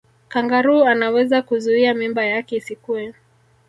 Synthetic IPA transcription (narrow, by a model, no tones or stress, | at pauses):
kaŋɡaɾuanawɛzakuzuiamimbajakɛisikuɛ